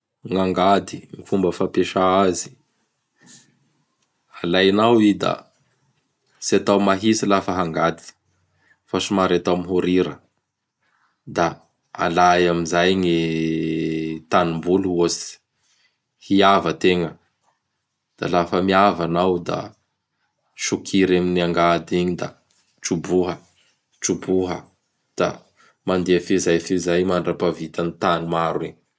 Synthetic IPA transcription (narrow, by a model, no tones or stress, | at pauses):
ŋaŋɡad̪iŋifumbəfapeʃaazi̥ | alajnawid̪a̰ | siat̪awmaɦisilafəɦaŋɡad̪i̥ | faʃumaɾat̪amiɦuɾiɾə | d̪a | a̰lajamizajni | t̪animbuluosi̥ | hiavət̪eŋə | d̪̥a̰lafəmiavanawd̪a̰ | ʃukʰiɾaminiaŋɡad̪iɲid̪a̰ | ʈ͡ʂubuɦə | ʈ͡ʂubuɦə̰ | d̪̥a̰ | mand̪eəfezajfezajmaɳɖ͡ʐapavit̪anit̪animaɾuiɲ